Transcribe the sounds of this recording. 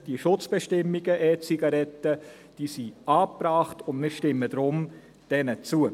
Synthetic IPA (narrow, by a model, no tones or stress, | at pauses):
d̥iəʃʊt͡sb̥ɛʃtɪmːiɡ̥əʔɛːt͡siɡɑɾɛtə | d̥iːsiɑːpraːχtʊndmɪːʃtɪmːədɾʊm | d̥ɛnət͡suə